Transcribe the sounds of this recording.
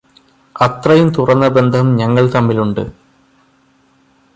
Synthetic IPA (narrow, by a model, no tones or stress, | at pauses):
ɐt̪rɐjumt̪urɐnːɐbe̞nd̪ʱɐmɲɐŋːɐɭt̪ɐmːiluɳɖɨ̰